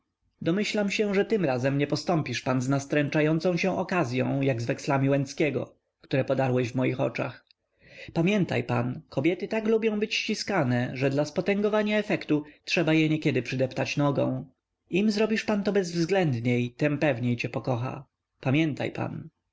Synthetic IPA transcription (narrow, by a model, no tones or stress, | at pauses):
d̪ɔmɘɕlamɕɛʐɛt̪ɘmɾazɛmɲɛpɔst̪ɔmpʲiʂpanznast̪ɾɛnt͡ʂajɔnt̪sɔ̃w̃ɕɛ̃ʔɔkazʲjɔ̰̃w̃jaɡzvɛkslamʲiwɛnskʲɛɡɔ̰ | kt̪uɾɛpɔd̪aɾwɛʑvmɔjixɔ̰t͡ʂa̰x | pamʲjɛnt̪a̰jpankʰɔbʲjɛt̪ɘt̪aklubʲjɔ̃w̃bɘt͡ɕɕt͡ɕiskanɛʐɛd̪laspɔt̪ɛŋɡɔvaɲaɛfɛkt̪utʂɛbajɛɲɛkʲɛd̪ɘpʂɘd̪ɛpt̪at͡ɕnɔɡɔ̰̃w̃ | imzɾɔbʲiʂpant̪ɔbɛzvzɡlɛnd̪ɲejt̪ɛmpɛvɲejt͡ɕɛpɔkɔxa̰ | pamʲjɛnt̪a̰jpa̰n